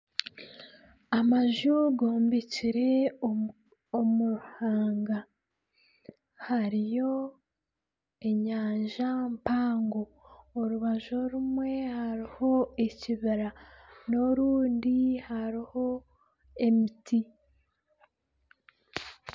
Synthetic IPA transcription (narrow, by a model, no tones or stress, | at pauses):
amaʒuɡo̞ːmbeciɾe̞ | omuɾhaːŋɡa | haɾijo̞ | e̞ɲaːɲʒampaːŋɡoːɾuβaʒoɾumwe̞haɾiho̞eciβiɾanoɾuːndihaɾiho̞ | e̞mitʰi